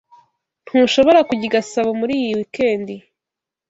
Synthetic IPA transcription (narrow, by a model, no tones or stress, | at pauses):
n̥huːʃo̞βo̞ɾakuɟiɡasaβomuɾiːjiwike̞ːndi